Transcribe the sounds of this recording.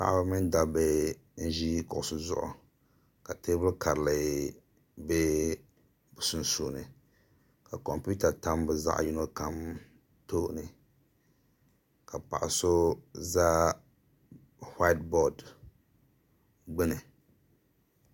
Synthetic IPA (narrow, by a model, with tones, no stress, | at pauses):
pa̰˨ʔba˦mɨ˦nda˨bɛ˦ | n̩˦ʒi˦kʊ˨ʔʊ˨sʊ˨zʊ̰˦ʔʊ̰˨ | ka˨te˦bɨ˦lka˨ɾɨ˨la˨ | bɛ˦ | bʊ˨sʊ˦n̩˨su˨nɨ˨ | ka˨kɔ˨mpu˦ta˨ta˦mbɛ˨za̰˦ʔju˦no˦ka˦m | toː˦ʔnɨ˨ | ka˨pa̰˨ʔa̰˨so˦za˦ | ha˦t̚bɔ˨d | ɡ͡bɨ˦nɨ˨